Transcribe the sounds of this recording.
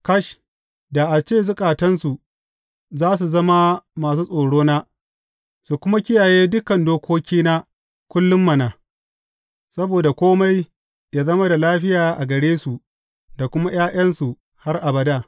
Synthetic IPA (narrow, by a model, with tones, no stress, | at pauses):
kɐ˦ʃ | da˨ʔa˨t͡ʃeː˦˨zʊ˦kʼaː˨tɐ˦nsu˨ | zaː˦s̬u˨zɐ˦ma˦maː˨s̬uː˦sʼoː˨ɽoː˦naː˦ | su˨kʷʊ˦ma˦kʲɪ˦jaː˨jeː˦dʊ˦kɐ˨ndoː˦kʷoː˦kʲiː˦na˦ | kʷʊ˦lːʊ˦mːɐ˨naː˨ | sɐ˦boː˨da˨kʷoː˦ma˦j | ja˦zɐ˦ma˦da˨laː˦ɸɪ˦jaː˨ʔa˨ɡɐ˨ɽeː˦su˨ | da˨kʷʊ˦ma˦j̰aː˦j̰ɐ˦nsu˨ | ha˦rʔa˨bɐ˨daː˦˨